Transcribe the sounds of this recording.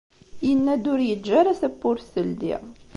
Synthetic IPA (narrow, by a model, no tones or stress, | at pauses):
jənːæd̪ʊɾjəd͡ʒːæɾæsəpːʊɾsəld̪ḭʁ